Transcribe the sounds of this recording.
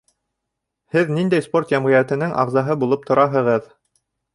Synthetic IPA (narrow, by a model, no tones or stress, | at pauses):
hɘðnind̪æjspo̞rt̪jæmʁɤ̆jæt̪ɘ̆nɘŋʔɑʁzɑɦɤbulˠɤp̚t̪ʰŏɾʔɑɦɤ̆ʁɤð